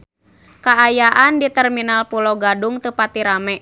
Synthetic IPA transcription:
kaːjaʔandit̪ərminalpuloɡaduŋt̪upat̪iɾamɛ

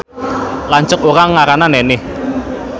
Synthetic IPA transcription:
laɲt͡ʃʊkoɾaŋːaɾananɛnɪh

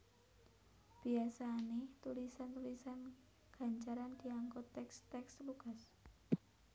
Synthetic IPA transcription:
b̥iasanɛht̪ulisant̪ulisan | ɡ̥a̤ɲt͡ʃaɾand̥iaŋkɔt̪ːɛkst̪ɛksluɡ̥as

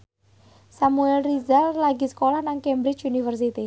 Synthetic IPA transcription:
samuɛlrizallaɡi̤sə̥kolahnaŋkɛmbɾɪt͡ʃunifərsit̪i

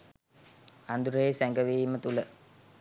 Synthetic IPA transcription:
and̪uɾəesæŋɡəʋiːmət̪ulə

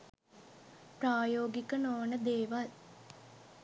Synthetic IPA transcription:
praːjoːɡikənoːnəd̪eːʋal

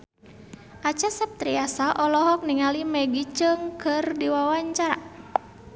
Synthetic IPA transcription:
ʔat͡ʃasap̚t̪ɾiasaʔɔlɔɦɔk̚niŋalimɛɡit͡ʃəŋkɨrdiwawaɲt͡ʃaɾa̰

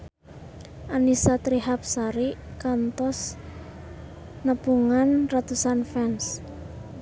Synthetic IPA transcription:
ʔanisat̪ɾiɦap̚saɾikant̪ɔs | nəpuŋanrat̪usanfɛns

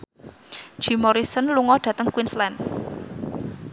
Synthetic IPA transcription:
ʒ̥i̤mɔɾisɔnluŋɔɖ̥ä̤t̪əŋkwinslɛn

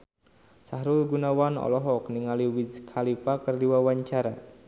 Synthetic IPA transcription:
saɦɾʊlɡunawanɔ̰lɔɦɔkniŋaliwidkʰalifakərdiwawaɲt͡ʃaɾa

